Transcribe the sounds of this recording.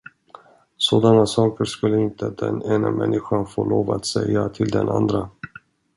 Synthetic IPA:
soːd̪anasɑːkəɾʂkɵlːəɪnt̪əd̪ɛneːnamɛnːɪɧanfoːloːvaat̪sɛjːat̪ʰɪld̪ɛnʔa̰nd̪ɾa

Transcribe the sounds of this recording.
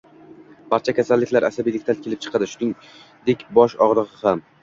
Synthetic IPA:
b̥aɾt͡ʃʰakʲʰasalːɪkʲlaɾʔasabijd̪ekʲt̪ʰakʲʰelɪp̚t͡ʃʰɨqʰɑd̪ɪʃʊnɪŋ | d̪ekʲbɒʃɒʁɾˠɨʁɨham

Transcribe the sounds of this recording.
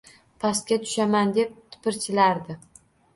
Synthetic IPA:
pʰast̪̚kʲat̪ʰʊ̥ʃamand̪e̞p̚t̪ʰɪ̥pɪɾt͡ʃʰɪlaɾd̪ɪ

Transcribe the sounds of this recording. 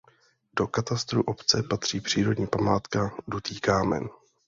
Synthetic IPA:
d̥o̞kat̪ast̪ɾuʔo̞pt͡sɛpat̪r̝̥iːpr̥iːɾo̞dɲiːpamaːt̪kadut̪iːkaːmɛ̰n

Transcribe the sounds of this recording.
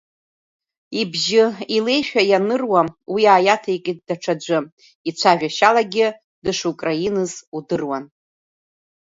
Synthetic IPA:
ibʒɪile̞jʃᶣajanɨrwawiaːjatʰaikʲʼid̚ːaʈ͡ʂʰad͡ʒʷɨ | it͡ɕʷʰaʒᶣaʃalaɡʲɪ | dɨʂukʼrajinɨzudɨrwan

